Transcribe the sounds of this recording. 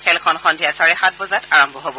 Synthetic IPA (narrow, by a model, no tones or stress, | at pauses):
xɛlkʰɔnxɔndʱijasaɹɛxat̚bɔzataɹɔmbʱɔɦobɔ